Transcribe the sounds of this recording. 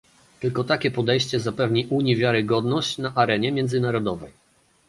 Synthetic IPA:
t̪ɘlkɔt̪akʲɛpɔd̪ɛjɕt͡ɕɛzapɛvɲiʔuɲivʲjaɾɘɡɔd̪nɔɕt͡ɕnaʔaɾɛɲɛmʲjɛnd̪zɘnaɾɔd̪ɔvɛj

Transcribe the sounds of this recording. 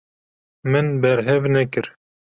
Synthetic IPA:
mɨnbɛɾɦɛvnɛkɨɾ

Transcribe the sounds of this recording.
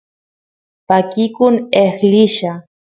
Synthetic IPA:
pakɪkʊnexlɪʃa

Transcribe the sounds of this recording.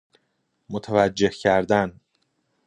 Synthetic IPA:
mot̪ʰævæd͡ʒːe̞hcʰæɾd̪æn

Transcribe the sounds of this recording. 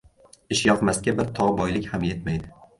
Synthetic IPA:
ɪʃjɒqmast̪̚kʲabɪɾt̪ʰɒʁbɒjlɪkʲhamje̞t̪majd̪ɪ

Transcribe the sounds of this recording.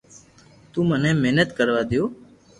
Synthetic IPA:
t̪ũːmənẽːmeɦnət̪kəɾʋaːd̪joː

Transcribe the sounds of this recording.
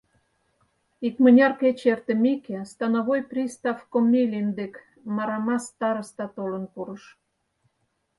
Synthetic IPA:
ikmənʲɑrket͡ɕert̪əmʲekest̪ɑnoβojprʲist̪ɑfkomʲːelʲind̪ek | mɑɾɑmɑst̪ɑɾəst̪ɑt̪olə̆npuɾə̆ʃ

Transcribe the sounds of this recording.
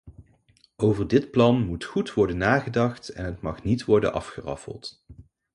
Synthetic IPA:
ʔowvəɹdɪtplɑnmutχutʋɔɹdənːaːχədɑχtɛnɦətmɑχnitʋɔɹdə̰nʔɑ̰fχərɑ̰fə̰lˠt

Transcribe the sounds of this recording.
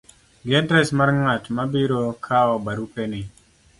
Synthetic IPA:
ɡɛdɾɛsmarŋatmabiɾokʰaɔbaɾupenɪ

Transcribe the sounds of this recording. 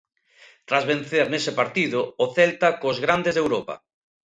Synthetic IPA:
t̪ɾazβẽn̟θeɾnesɪpaɾt̪iðʊːθɛlt̪akozɣɾand̪ezðewɾopa̰

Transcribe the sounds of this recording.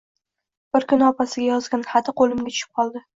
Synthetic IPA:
b̥ɪɾkʊnɒpasɪɡʲajɒzɡʲanχat̪ʰɪqolˠɪmɡʲat͡ʃʰʊ̥ʃɪ̥p̚qʰɒlˠd̪ɪ

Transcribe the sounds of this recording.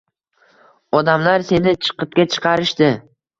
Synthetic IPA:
ɒd̪amlaɾse̞nɪt͡ʃʰɨ̥qɨp̚kʲat͡ʃʰɨ̥qʰɑɾɪʃt̪ɪ

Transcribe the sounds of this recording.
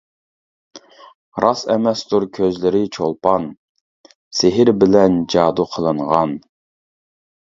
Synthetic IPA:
ɾʔɑsɛmɛst̪ʊɾkʲʰøzlɪɾɪt͡ʃʰolˠpɑn | sɪɦɪɾbɪlɛnd͡ʒɑːd̪uqʰəlˠɨɴʁɑn

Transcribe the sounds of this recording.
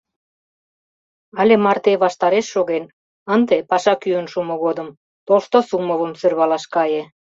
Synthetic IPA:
ɑlʲemɑrt̪eβɑʃt̪ɑɾeʃːoɣen | ənd̪epɑʃɑkyənʃumoɣod̪ə̆m | t̪olʃt̪osuməβə̆msørβɑlɑʃkɑje

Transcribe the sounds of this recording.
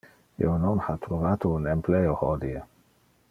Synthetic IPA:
ḛnonhat̪ɾuvaːt̪ounempleohɔd̪ie

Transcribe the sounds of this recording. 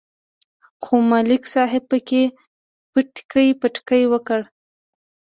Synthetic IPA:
xomalɪksɑɦɪb̚pəke | pəʈkəjpəʈkəjwəkəɽ

